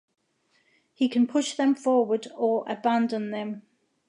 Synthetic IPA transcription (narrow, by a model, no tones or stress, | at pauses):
hikʰə̃npʰʊʃðə̃ɱfɔːwədəɹʔə̰bãndə̃nðə̃m